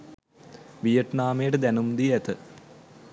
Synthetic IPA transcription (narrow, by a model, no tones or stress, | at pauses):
ʋijɐʈnaːmejʈəd̪ænumd̪iæt̪ə